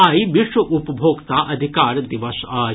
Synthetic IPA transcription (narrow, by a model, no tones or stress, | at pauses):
aːiʋiʂʋɐʔupɐbʱoːɡt̪aːʔɐd̪ʱikaːɾd̪iʋɐʃaː